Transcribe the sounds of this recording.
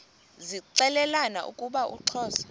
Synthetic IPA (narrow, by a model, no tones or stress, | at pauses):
ziǀɛlɛlana̰ʔṵkʼuɓaʔṵǁʰɔːsḁ